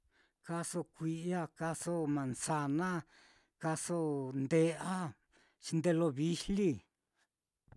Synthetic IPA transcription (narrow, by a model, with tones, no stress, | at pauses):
ka˧so˧kʷi˧ʔa˦ka˧so˦mã˨nsa˧nã˦ | ka˧so˦nd̪e˧a˦ | t͡ʃi˧nd̪e˧lo˧βi˦li˦